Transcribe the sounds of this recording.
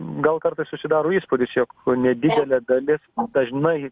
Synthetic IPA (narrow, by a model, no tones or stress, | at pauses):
ɡɐlˠkɐrt̪ɐɪsʊsʲɪd̪ɑːɾoːiːspoːd̪ʲɪsjoːknʲɛd̪ʲɪd̪ʲɛlʲɛd̪ɐlʲɪsd̪ɐʒnɐɪ